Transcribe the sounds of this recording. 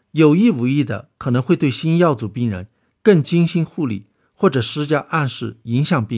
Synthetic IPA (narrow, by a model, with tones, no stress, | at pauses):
jo˨˩ʊi˥˩u˧˥i˥˩d̪ə̰˩kʰɤ˨˩nɤ˧˥ŋxwt̪we˥˩ɪɕi˥njɑ˥˩ʊt͡su˨˩pi˥˩ŋɻə̰˧˥n | kɤ˥˩ŋt͡ɕi˥ŋɕi˥nxu˥˧lḭ˥˩ | xwɔ˥˩ʈ͡ʂɤ˨˩ʂɻ̩˥t͡ɕja˥ʔa˥˧nʂɻ̩˥˩i˧˥ŋɕjɑ˨˩ŋpi˥˧ŋ